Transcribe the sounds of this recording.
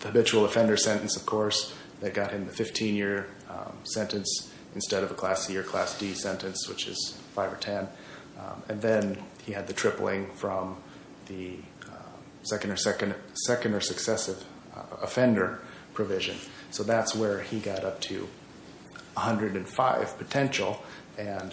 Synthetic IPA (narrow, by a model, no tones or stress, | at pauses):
ðəhɨbɪt͡ʃul̩ˠəfɛ̃ndə˞sɛ̃ñn̩sʌv̥kʰɔɹs | ðɨt̚ɡ̥ɑt̚hɨ̃mðɨfɪftʰĩnjɪɹ | sɛ̃ntɨ̃ns | ɨ̃nstɛɾʌvəkʰl̥æsjɪɹkʰl̥æ̰sd̥isɛ̃ntɨ̃nswɨt͡ʃɪ̰z̥faɪvə˞tʰɛ̃n | ɨ̃nðɨ̃n | iɨd̪̚ðɨtʰɹ̥ɪpl̩ˠɪ̃ŋfɹʌ̃m | ðɨ | sɛkɨ̃ndə˞sɛkɨ̃nsɛkɨ̃ndə˞sɨksɛsɨv̥ | əfɛ̃ndə˞ | pʰɹ̥ɨvɪʒɨ̰̃n | soʊðætswə˞iɡɑɾʌp̚tʰʉ̰ | əhʌ̃ndɹɨɾɨ̃nfaɪv̥pʰɨtʰɛ̃nʃl̩ˠ | ɨ̃n